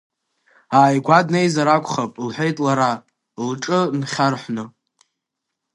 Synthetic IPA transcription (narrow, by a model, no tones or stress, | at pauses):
aːjɡʷadnejzaɾakʷʰʼχapʼlħʷᶣejtʼlaɾa | lʈ͡ʂʼɨnχʲarħʷnɨ